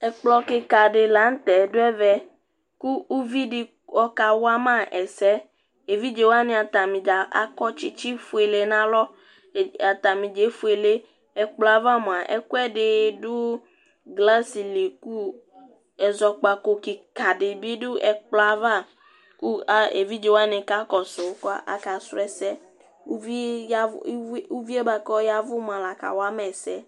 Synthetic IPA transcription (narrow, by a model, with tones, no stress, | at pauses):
ɛ˨k͡plɔ˨ke˨ka˨ɖe˨la˨˦ŋ̩˦t̪ɛ˨do˦ɛ˦vɛ˦ | ku˦u˦vi˦ɖe˨ | wɔ˦ka˨wa˦mã˦ʔɛ˨sɛ˦ | e˨vi˦d͡ʒe˨wa˦nẽ˦a˨t̪a˨mĩ˨d͡ʒa˨a̰˨kɔ˦t͡ʃi˦t͡ʃi˦fu˨e˨le˨nã˦lɔ˦˨ | a˨t̪a˨mĩ˨d͡ʒe˨˦fu˨e˨le˦ | ɛ˨k͡plɔ˨a˨va˦mõ˨a˨ʔɛ̰˦ku˦ɛ˦ɖe˨ɖo˦ | ɡla˦si˨le˨ku˦ | ɛ˨zɔ˨k͡pa˨ko˨ki˨ka˨dɪ˨bi˦dʊ˦ʔɛ˨k͡pla˦va˦ | ku˦a˦e˨vi˦d͡ʒe˨wa˦nẽ˨ka˦kɔ˨so˨˦kɔ˦a˦ʔa̰˨ka˨sʊ˦ɛ˨sɛ˦ | u˦vi˦a˦u˦vi˦e˦ba˨kɔ˦ja˦vʊ˦m˨a˨la˨ka̰˨wa˦mɛ˨sɛ˦